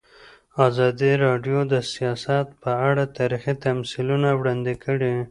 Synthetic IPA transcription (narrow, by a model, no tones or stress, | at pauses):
ɑzɑd̪iɾɑɖjod̪əsijɑsat̪pəaɽat̪ɑɾixit̪amsilunawɽɑnd̪ikəɽi